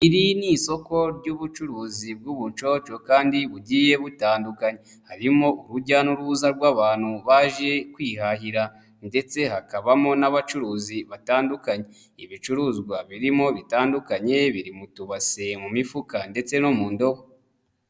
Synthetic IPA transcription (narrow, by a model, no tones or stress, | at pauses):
iɾiniso̞ko̞ɾɟuβut͡ʃuɾuːzib̚ɡuːβut͡ʃo̞t͡ʃo̞kaːndiβuɟiːje̞βutaːndukaɲe | haɾimo̞ʔuɾuɟanuɾuzaɾɡwaːβaːn̥huβaʒe̞kwiːhaɦiɾa | nde̞t͡se̞hakaβamo̞naβat͡ʃuɾuːziβataːndukaɲe̞ | iβit͡ʃuɾuːzɡwaβiɾimo̞βitaːndukaɲe̞βiɾimutuβasemumifukande̞t͡se̞no̞muːndo̞ho